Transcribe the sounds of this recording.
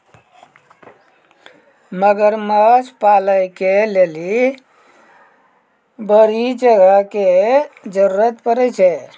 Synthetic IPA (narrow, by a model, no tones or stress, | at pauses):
məɡəɾməd͡ʒʰpaləjkeleli | bəɾid͡ʒəɡəked͡ʒəɾuɾət̪pəɾɛt͡ʃʰɛ